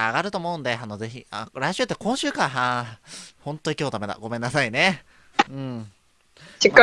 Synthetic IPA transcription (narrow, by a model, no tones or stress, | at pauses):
aɡaɾɯ̟t̪o̞ːmo̞ɯ̟̃nd̪e̞anoze̞çḭaɾaiɕɨːt̪ːekõ̞ɰ̃ɕɨːkaɦa | hõ̞nt̪o̞ikʲoːt̪ame̞d̪a̰ɡo̞mẽ̞nːasaine̞ | ɯ̟̃ɴ | ikːa